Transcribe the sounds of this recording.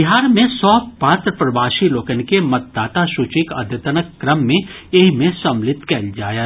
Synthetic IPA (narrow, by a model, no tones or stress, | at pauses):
bɪɦaːɾmẽsɔːpaːt̪ɾəpɾəbaːʃiloːkənkemɐt̪̚d̪aːt̪aʃʊt͡ʃɪkɐ̰d̪ʱjət̪ənəkːɾəmːẽeɦmẽsɐ̃mlɪt̪kɛːld͡ʒaːja